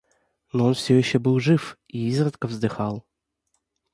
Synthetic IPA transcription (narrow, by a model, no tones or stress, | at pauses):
nɔonfsʲɔjɪɕːɔbɨlˠʐɨf | iizrət̪kəvzd̪ɨxɑlˠ